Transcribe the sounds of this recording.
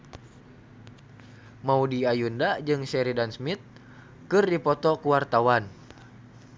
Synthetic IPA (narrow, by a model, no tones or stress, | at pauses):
maudiajundad͡ʒɨŋsɛɾidansmit̪̚ | kɨrdipɔt̪ɔkuwart̪awan